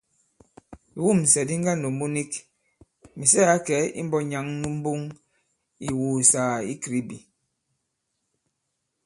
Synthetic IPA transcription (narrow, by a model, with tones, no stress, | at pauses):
wu˦˨m˨sɛ˨di˦ŋ˦ɡa˦no˨mu˦ni˦k | mi˨sɛ˦a˦kɛ˨˦ḭ˦m̩˦bɔ˦ɲa˦ŋnu˦m̩˦bu˦ŋ | i˨wuː˨saː˨i˦kɾi˨˦bi˨